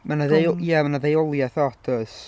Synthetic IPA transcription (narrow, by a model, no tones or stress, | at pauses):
manaðejjɛmanaðejɔlˠjɛθɔtʰəs